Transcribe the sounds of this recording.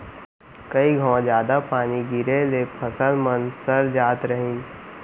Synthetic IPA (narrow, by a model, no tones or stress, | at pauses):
kɐiɡʱãd͡ʒjaːd̪apaːniɡiɾelepʰɐsəlmənsəɾd͡ʒaːt̪ɾəɦĩ